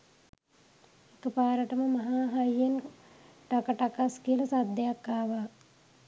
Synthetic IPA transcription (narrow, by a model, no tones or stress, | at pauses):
ekəpaːɾəʈəməmaɦaːɦajjen | ʈakəʈakaskiəlɐsad̪ːejakːaːʋa